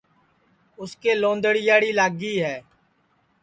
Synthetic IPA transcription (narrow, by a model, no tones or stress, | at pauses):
ʊskeːlõːnd̪əɽɪjaːɽiːlaːɡiːɦɛː